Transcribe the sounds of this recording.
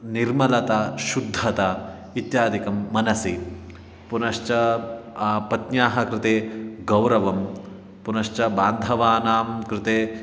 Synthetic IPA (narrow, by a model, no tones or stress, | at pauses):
niɾmɐlɐt̪ɐʃud̪ʱːɐt̪ɐ | it̪jaːd̪ikɐmːɐnɐsi | punɐʃt͡ʃɐ | pɐt̪njaːɦɐkɾɪt̪eːɡɐwɾɐʋɐm | punɐʂt͡ʃɐbaːnd̪ʱɐʋaːnaːmkɾɪt̪eː